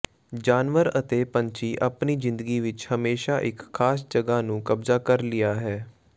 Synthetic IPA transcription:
d͡ʒaːnʋəɾət̪eːpəɲt͡ʃiːʔəpniːzɪ̃nd̪əɡiːʋɪt͡ʃhəmeːʃaːʔɪkʰːaːs̬d͡ʒəɡaːnũːkəbzaːkəɾlɪjaːɦɛː

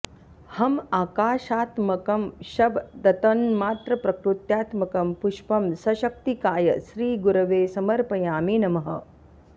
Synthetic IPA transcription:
hɐmaːkaːʃaːt̪mɐkɐmʃɐbd̪ɐt̪ɐnmaːt̪ɾɐpɾɐkɾut̪jaːt̪mɐkɐmpuʃpɐmsɐʃɐk̚t̪ikaːjɐʃɾiːɡuɾɐʋeːsɐmɐɾpɐjaːmiːnɐmɐɦɐ̰

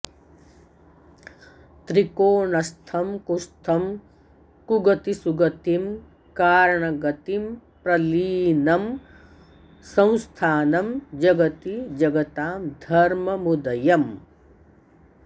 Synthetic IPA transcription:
t̪ɾikoːɳɐst̪ʰɐmkust̪ʰɐm | kuɡɐt̪isuɡɐt̪im | kaːɾɐɳɐɡɐt̪impɾɐliːnɐm | sɐ̃w̃st̪ʰaːnɐmd͡ʒɐɡɐt̪id͡ʒɐɡɐt̪aːmd̪ʱɐɾmɐmud̪ɐjɐm

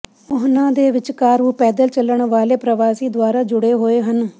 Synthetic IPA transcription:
ʊɦnãːd̪eːʋɪt͡ʃkaːɾuːpɛːd̪əlt͡ʃəlːəɳʋaːleːpɾəʋaːsiːd̪owaːɾaːd͡ʒʊɽeːɦoːeːɦən

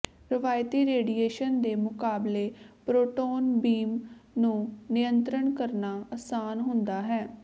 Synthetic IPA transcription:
ɾɪʋaːjt̪iːɾeːɖieːʃənd̪eːmʊkaːbleːpɾoːʈoːnbiːmnũːnɪjənt̪ɾəɳkəɾnaːasaːnɦʊnd̪aːɦɛː

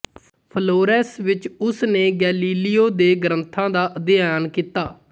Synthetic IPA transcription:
pʰəloːɾɛːsʋɪt͡ʃʊsneːɡɛːliːlɪjoːd̪eːɡəɾənt̪ʰãːd̪aːʔəd̪ɪjaːnkiːt̪aː

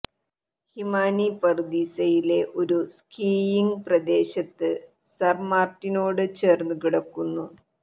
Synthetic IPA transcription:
himaːnipɐrd̪iːsɐjile̞ʔo̞ɾuskiːjiŋɡprɐd̪e̞ːɕɐt̪ːɨ | sɐrmaːrtːinoːɽɨt͡ɕe̞ːrnukiɽɐkːunːu

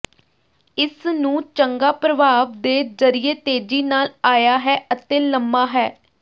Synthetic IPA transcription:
ɪsnũːt͡ʃəŋɡaːpɾəʋaːʋd̪eːzəɾɪjeːt̪eːd͡ʒiːnaːlaːjaːɦɛːʔət̪eːləmːaːɦɛː

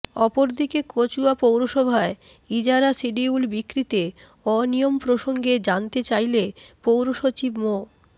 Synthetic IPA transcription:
ɔpoɾd̪ʱikekot͡ɕuapowɾoʃɔbʱae | id͡ʑaɾasiɖiulbikːɾit̪e | ɔnijompɾoʃoŋɡed͡ʑant̪et͡ɕajlepowɾoʃot͡ɕibmo

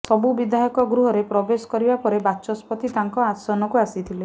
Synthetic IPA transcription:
sɔbubid̪ʱaɦjɔkɔɡɾuɦɔɾepɾɔbesɔ̥kɔɾibapɔɾebat͡ʃɔspɔt̪it̪aŋkɔasɔnɔkuasit̪ʰile

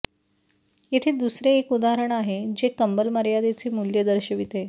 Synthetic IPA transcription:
jet̪ʰed̪usɾeːkud̪aɾəɳaɦed͡ʑekəmbəlməɾjad̪et͡siːmuljəd̪əɾɕəʋit̪e

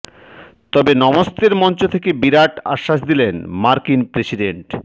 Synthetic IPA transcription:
t̪ɔbenɔmost̪eɾmɔnt͡ɕot̪ʰekebiɾaʈa̰ʃːaʃd̪ilenmaɾkinpɾesiɖeɳʈ

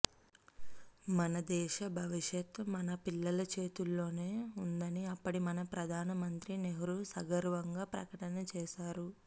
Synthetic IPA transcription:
mɐnɐd̪ɛːʃɐbʱɐʋiʃjɐt̪mɐnɐpilːɐlɐt͡ʃe̞ːt̪ulːo̞ːne̞ːund̪ɐniɐpːɐɽimɐnɐpɾɐd̪ʱaːnɐmɐnt̪ɾineɦɐɾusɐɡɐɾʋɐŋɡaːpɾɐ̰kɐʈɐnɐt͡ʃɛːʃaːɾu

